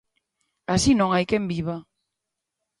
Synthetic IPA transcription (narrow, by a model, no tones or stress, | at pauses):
asinõŋajkembiβa